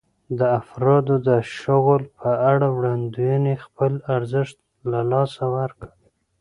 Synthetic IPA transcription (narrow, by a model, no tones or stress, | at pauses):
d̪əafɾɑd̪od̪əʃʊɣəlpʰəaɽawɽand̪ujunexpəlaɾzɪʃt̪̚ | lalɑsawaɾkə̥